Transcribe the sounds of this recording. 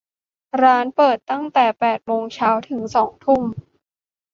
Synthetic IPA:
ɾaː˦˥npɤː˨˩t̪ːa˥˩ŋt̪ɛː˨˩pɛː˨˩t̪̚moː˧ŋt͡ɕʰaː˦˥wt̪ʰɯ˩˦ŋsɔː˩˦ŋt̪ʰu˥˩m

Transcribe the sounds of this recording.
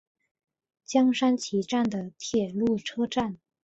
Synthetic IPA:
t͡ɕjɑ˥ŋʂa˥nt͡ɕʰi˧˥ʈ͡ʂa˥˩nd̪ə˩t̪ʰjɛ˨˩lu˥˩ʈ͡ʂʰɤ˥ʈ͡ʂa˥˩n

